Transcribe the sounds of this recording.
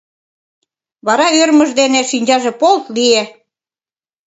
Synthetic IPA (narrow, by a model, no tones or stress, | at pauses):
βɑɾɑøɾmə̆ʒd̪eneʃinʲd͡ʑɑʒĕpolt̪lie